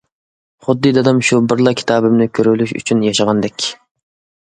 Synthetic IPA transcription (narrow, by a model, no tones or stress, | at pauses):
χʊd̪ːɨd̪ɑd̪ɑmʃubɨɾlˠɑkʲʰi̥t̪ʰɑːbɪmnɪkʲʰøɾylyʃy̰t͡ʃʰynjɑʃɑʁɑnd̪ɛkʲ